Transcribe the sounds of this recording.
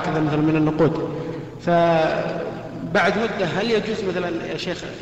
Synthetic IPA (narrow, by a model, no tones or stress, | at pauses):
kɪðamaθalanmɪnanːʊquːd̪ | fa | baʕd̪mʊd̪ːaɦaljad͡ʒuːzmaθalanʃeːx